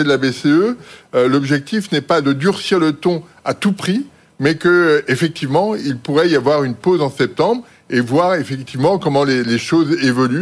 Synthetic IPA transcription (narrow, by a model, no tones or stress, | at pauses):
ed̪əlabeseøølɔbʒɛk̚t̪ifnɛpad̪əd̪yʁsiʁlət̪ɔ̃ | at̪upχi | mɛkəefɛk̚t̪ʰivmɑ̃ilpuʁɛiavwaʁynpozɑ̃sɛp̚t̪ɑ̃bʁ | evwaʁefɛkt̪ivmɑ̃kɔmɑ̃leleʃozevɔly